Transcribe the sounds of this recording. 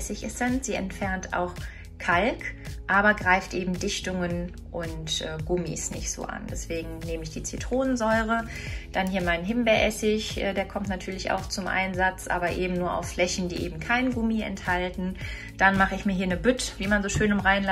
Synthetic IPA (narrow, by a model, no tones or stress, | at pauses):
sɪçɪsɛnz̥iːɛ̰ntfɛɐntʰa̰ʊx | kʰalkʔaːbɐɡʁaɪftʔeːbm̩dɪçtʊŋən | ʔʊntʔɛːɡʊmḭsnɪçtz̥o̰ːʔa̰nd̥ɛsv̥eːɡŋ̩neːməɪçd̥iːt͡sitʁ̥oːnənzɔʏʁə | d̥anɦiːɐmaɪnɦɪmbɛɐʔɛsɪçʔɛːdeːɐkʰɔmtnatʰyːɐlɪça̰ʊxt͡sʊmʔa̰ɪnzat͡sʔa̰ːbɐʔeːbm̩nuːɐʔa̰ʊfflɛçn̩dḭːʔeːbm̩kʰaɪnɡʊmiɛ̰nthaltn̩ | d̥anmaχəɪçmiːɐɦiːɐnəbʏtviːmanzoːʃøːnʊmʁaɪnl